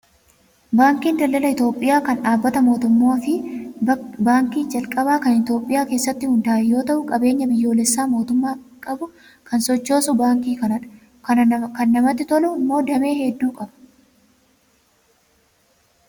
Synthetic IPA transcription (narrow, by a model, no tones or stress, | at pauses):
baːŋkiːnd̪ɐlːɐlɐɪt̪o̞ːpʼːɪjaːkɐnᶑaːbːɐt̪ɐmo̞ːt̪ʊmːoːfɪ | baːŋkiːd͡ʒɐlkʼɐbaːkɐnɪt̪jo̞ːpʼːɪjaːke̞ːsːɐt̪ːɪhʊnd̪aːɛjo̞ːt̪ɐʔʊkʼɐbe̞ːɲːɐbɪjːo̞ːlɛsːaːmo̞ːt̪ʊmːaːkʼɐbʊ | kɐnsɔt͡ʃːo̞ːsʊbaːŋkiːkɐnɐᶑɐ̥ | kɐnkɐnːɐmɐt̪ːɪt̪ɔlʊmːo̞ːd̪ɐme̞ːhɛd̪ːuːkʼɐbɐ̥